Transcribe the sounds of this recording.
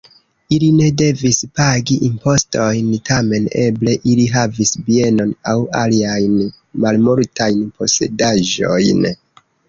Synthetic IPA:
iline̞de̞vispaɡiʔimpo̞sto̞jntʰame̞ne̞ble̞ʔiliɦavisbie̞no̞nawaliajn | malmoltʰajnpo̞se̞̰daʒo̞̰jn

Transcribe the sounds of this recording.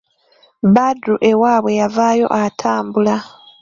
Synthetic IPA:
βadɾuʔe̞waːβwe̞javaːjo̞̰ʔatʰaːmbula

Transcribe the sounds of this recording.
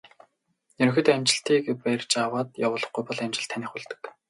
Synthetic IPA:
ɵɾɵ̆xɘ̆t̪æmt͡ɕɪ̆ɬt̪iːkpæjrʲt͡ɕawaːt̪jawʊːɮə̆χɡujpɔɮæmt͡ɕɪ̆ɬt̪ʰːanʲiːχʊɮt̪ɵ̥̆k

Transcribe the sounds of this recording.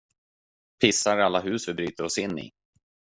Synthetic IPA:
pʰɪsːaɾalːaɦʉ̟ːsvɪbɾyːt̪əɾɔsɪnːɪ̰

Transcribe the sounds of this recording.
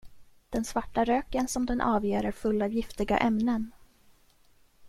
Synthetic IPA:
d̪̥ɛnsvaʈːaɾøːkənsɔmd̪ɛnʔɑ̰ːvjeːɾəɾfɵlːavjɪft̪ɪɡa̰ʔɛmnən

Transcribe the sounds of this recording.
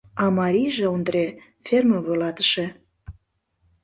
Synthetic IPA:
ɑmɑɾʲijʒeond̪ɾe | ferməvojlɑt̪ə̥ʃe

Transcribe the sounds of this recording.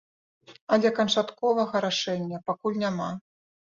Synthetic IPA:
ɐlʲɛkɐnt͡ʂat̪kɔvɐɣɐɾaʂɛnʲːɐpakulʲnʲama

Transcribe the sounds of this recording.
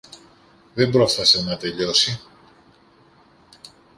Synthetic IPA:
ðe̞mbɾo̞fθɐsenɐt̪e̞ʎo̞si

